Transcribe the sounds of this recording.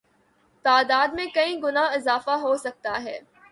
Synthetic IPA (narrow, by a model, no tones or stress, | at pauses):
t̪aːd̪aːd̪mẽkɐĩɡʊnaɪzaːfaɦosɐk̚t̪aɦɛː